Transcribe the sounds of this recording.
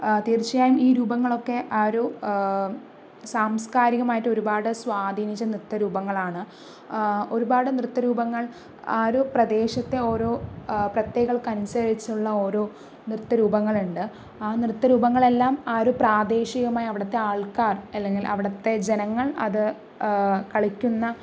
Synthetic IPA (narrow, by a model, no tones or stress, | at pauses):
t̪iːrt͡ɕːijaːjumiːɾuːbɐŋːɐɭo̞kːe̞ʔaːɾu | saːmskaːɾiɣɐmaːjiʈːo̞ɾubaːɽɨswaːd̪ʱiːnit͡ɕːɐnrɨt̪ːɐɾuːbɐŋːɐɭaːɳɨ | o̞ɾubaːɽɨnrɨt̪ːɐɾuːbɐŋːɐɭ | aːɾuprɐd̪e̞ːɕɐt̪ːe̞o̞ːɾoːprɐt̪jeːɣɐɣɐɭkɐnisɐɾit͡ɕːuɭːɐo̞ːɾoː | nrɨt̪ːɐɾuːbɐŋːɐɭuɳɖɨ | aːnrɨt̪ːɐɾuːbɐŋːɐɭe̞lːaːmaːɾupraːd̪e̞ːɕiɣɐmaːjiɐʋiɽɐt̪ːe̞aːɭkaːrɐlːe̞ŋɡilʔɐ̰ʋiɽɐt̪ːe̞d͡ʑe̞nɐŋːɐɭɐ̰ðɨ | kɐɭikʲːunːɐ